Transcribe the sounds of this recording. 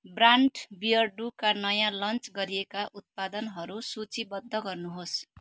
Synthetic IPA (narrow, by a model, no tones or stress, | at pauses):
braɳʈbijʌrɖukanʌjãlʌnt͡sɡʌɾijekaʔut̪̚pad̪ʌnɦʌɾusut͡sibʌd̪ʱːʌɡʌrnuɦos